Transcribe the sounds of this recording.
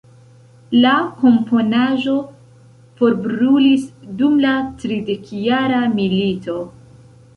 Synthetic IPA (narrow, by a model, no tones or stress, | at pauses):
lako̞mpo̞naʒo̞ | fo̞ɾbɾulisdumlatɾide̞kjaɾamilito̞